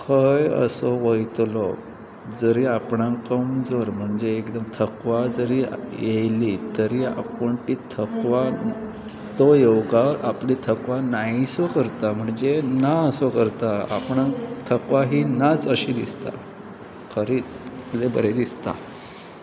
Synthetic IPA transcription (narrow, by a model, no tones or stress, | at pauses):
kʰəjə̰sɔʋəjt̪lo | d͡zəɾiːapɳãkəmd͡zoɾm̤əɳd͡zeːkd̪əmt̪ʰəkʋad͡zəɾijejlit̪əɾiːa̰pəɳt̪iːt̪ʰəkʋa | t̪ojewɡaʔaplit̪ʰəkʋanaisokəɾt̪am̤əɳd͡zenaəsokəɾt̪aa̰pɳãt̪ʰəkʋaɦiːnat͡səɕiːd̪ist̪a̰ | kʰəɾiːt͡slebəɾed̪ist̪a̰